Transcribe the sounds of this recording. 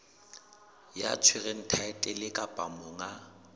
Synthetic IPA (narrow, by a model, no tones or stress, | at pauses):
ja̰t͡sʰwɪɣɛn̩tʰaɛtʼɛlɪkʼapʼamʊŋa